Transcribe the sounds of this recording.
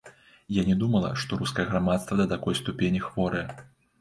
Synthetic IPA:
janʲɛd̪umɐlˠɐ̰ʂt̪ɔɾuskɐjɛɣɾamat̪st̪vɐd̪ɐt̪akɔjst̪upʲenʲixvɔɾɨjɛ

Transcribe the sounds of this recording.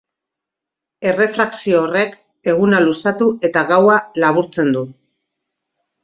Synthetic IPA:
e̞re̞fɾaksioːre̞k | e̞ɣ̞unalusat̪ue̞t̪aɣawalaβuɾt͡se̞nd̪u

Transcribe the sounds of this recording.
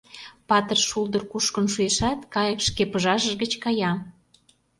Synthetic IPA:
pɑt̪ərʃuld̪ə̆rkuʃkə̆nʃueʃæt̪kɑjəkʃkepəʒɑʒəʒɣə̆t͡ɕkɑjɑ

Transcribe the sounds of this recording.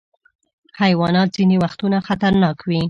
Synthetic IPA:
hajwɑnɑt̪̚z̥inewaxt̪unaxat̪aɾnɑkwi

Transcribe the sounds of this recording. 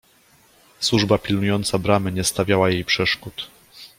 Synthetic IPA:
swuʐbapʲilnujɔnt̪sabɾamɘɲɛst̪avʲjawajejpʂɛʂkut̪

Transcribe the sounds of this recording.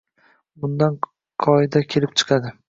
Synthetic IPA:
ʊnd̪an | qʰɒɪd̪akʲʰe̞lɪp̚t͡ʃʰɨ̥qʰɑd̪ɪ

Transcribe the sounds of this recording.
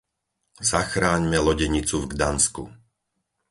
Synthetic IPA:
zaxɾaːɲmɛlɔɟɛɲit͡suvɡd̪anskṵ

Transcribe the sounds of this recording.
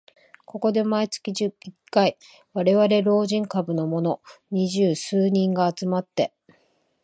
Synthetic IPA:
ko̞ko̞d̪e̞mait͡sɨ̥kʲiʑɨikːai | βaɾe̞βaɾe̞ɾo̞ːʑĩŋkabɯ̟no̞mo̞no̞ɲ̟iʑɨːsɨːɲ̟ĩŋɡaːt͡sɨmat̪ːe̞

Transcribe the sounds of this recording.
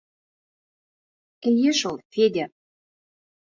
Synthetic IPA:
kɘ̆lʲjeʃolˠfed̪ʲæ

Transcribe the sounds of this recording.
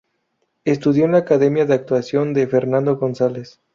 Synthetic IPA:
e̞st̪uðjo̞laːkaðe̞mjaðeak̚t̪wasjo̞nd̪e̞fe̞ɾnand̪o̞ɣo̞nsales

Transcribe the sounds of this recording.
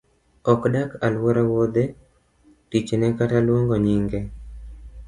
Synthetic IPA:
ɔkɗakalwɔɾawod̪e | tit͡ʃenɛkatalwoŋɡɔɲiŋɡe

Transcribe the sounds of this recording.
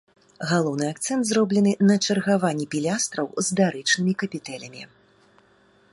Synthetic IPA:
ɣalˠɔwnɨak̚t̪sɛnt̪zrɔblʲɛnɨnɐt͡ʂɐrɣavanʲːɛpʲilʲast̪ɾɐwzd̪aɾɨt͡ʂnɨmʲikɐpʲit̪ɛlʲɐmʲḭ

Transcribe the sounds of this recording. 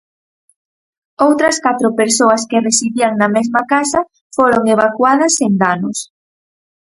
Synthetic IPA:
owt̪ɾɐskat̪ɾopeɾsoɐskeresiðiaŋnɐmezmakasɐ | foɾoŋeβ̞akwaðɐsend̪anʊs

